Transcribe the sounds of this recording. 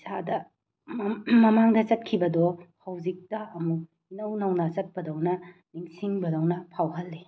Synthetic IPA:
sadɐ | mɐmaŋdɐt͡ʃɐt̚kʰibɐdɔhɐwzik̚tɐɐmuk̚ | inɐwnɐwnɐt͡ʃɐt̚pɐdɐwnɐniŋsiŋbɐdɐwnɐpʰawɦɐlːe

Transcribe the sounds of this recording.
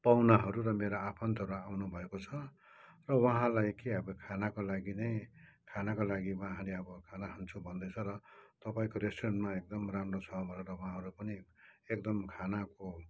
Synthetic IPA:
pawnaɦʌɾuɾʌmeɾoapʰʌnt̪ʌɾuawnubʱʌekot͡sʰʌ | rʌwʌɦãlajkiabʌkʰanakolaɡinʌjkʰanakolaɡiwaɦãleʌbʌkʰanaɦʌnt͡sʰubʱʌnd̪ʌt͡sʰʌɾʌt̪ʌpaĩkoɾesʈrʌnʈmaek̚d̪ʌmramɾot͡sʰʌbʱʌɾeɾʌwaɦãɦʌɾupʌniek̚d̪ʌmkʰanako

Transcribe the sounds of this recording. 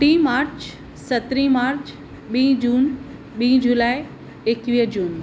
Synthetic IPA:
ʈĩːmaːɾt͡ɕ | sɐt̪ɾĩmaːɾt͡ɕ | ɓĩːd͡ʑuːn | ɓĩːd͡ʑulaːɪ | ekʋiːɦd͡ʑuːn

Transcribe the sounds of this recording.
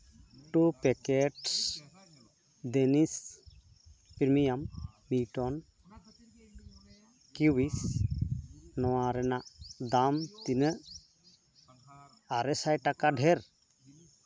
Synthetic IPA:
ʈupɛkɛʈs | d̪enis | piɾmijamː | iʈɔn | kuwis | nɔwaɾɛnaʔd̪amt̪inə | aɾɛsajʈakaɖʱɛɾ

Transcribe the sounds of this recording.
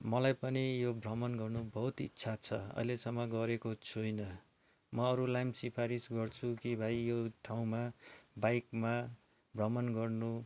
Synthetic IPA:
mʌlajpʌnijobrʌmʌnɡʌrnubʌɦut̪itːsʰat͡sʰʌʌ̰jlesʌmːʌɡʌɾekot͡sʰujnʌ | mʌːɾulajmsipʰaɾisɡʌrt͡sʰukibʱajjoʈʰaw̃mabajkma | brʌmʌnɡʌrnu

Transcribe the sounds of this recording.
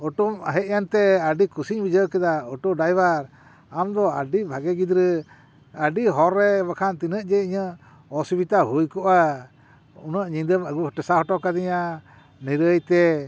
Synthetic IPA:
ɔʈumaɦɛʔ̪jant̪ɛaɖikusiɲbid͡ʒəkɛd̪aɔʈɔɖajbaɾ | amd̪ɔa̰ɖibʱaɡɛɡid̪ɾə | aɖiɦɔɾːɛbakʰant̪inəʔ̚d͡ʒɛiɲə | ɔsibit̪aɦujkɔʔa | unəʔɲid̪əmaɡuhʈɛsaɦɔʈɔkad̪iɲa | nɛɾəjt̪ɛ

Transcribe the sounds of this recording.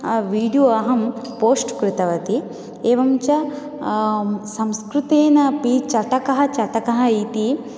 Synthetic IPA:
ʋiːɖijoːɐɦɐmpoːsʈkɾɪt̪ɐʋɐt̪i | eːʋɐmt͡ʃɐ | sɐ̃mskɾut̪eːnɐpit͡ʃɐʈɐkɐɦɐ̆t͡ʃɐʈɐkɐɦɐit̪i

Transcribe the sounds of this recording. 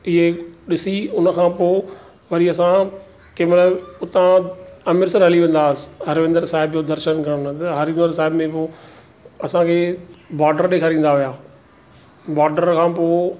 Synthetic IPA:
ɪɦeɗɪsiʊnəkʰãːpoː | ʋɐɾiɐsã | keːmtləbʊt̪ãɐmɪɾsəɾɦɐliʋẽn̆d̪aːsɪ̥ɦɐɾʋɪ̃nd̪əɾsaːɦɪbjoːd̪ɐɾʃənkʰãnt̪ɐɦɐɾɪ̃nd̪əɾsaːɦɪbmẽpoː | ɐsãkʰeːbaːɾɖəɾɗeːkʰaːɾĩːn̆d̪aɦʊjaː | baːɾɖəɾkʰãːpoː

